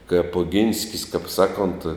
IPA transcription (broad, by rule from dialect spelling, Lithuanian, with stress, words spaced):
kɐɪp oːˈɡʲɪnʲsʲkʲɪs kɐp ˈsɑːˌkoːnt